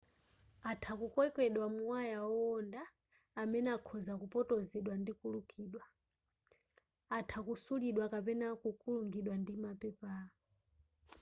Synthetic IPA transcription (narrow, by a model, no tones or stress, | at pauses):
atʰakukwɛkwɛɗwamuwajaɔɔndaː | mɛnɛakʰɔzakupɔtɔzɛɗwandikulukʰiːɗwa | atʰakusuliɗwakapɛnakukuluŋɡiɗwandimapɛpa